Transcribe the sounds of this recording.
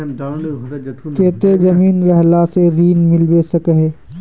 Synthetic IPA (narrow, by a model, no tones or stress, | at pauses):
keːt̪ed͡ʒɐmiːnɾɛɦlaseɾiːnmɪlbesəkəɦeː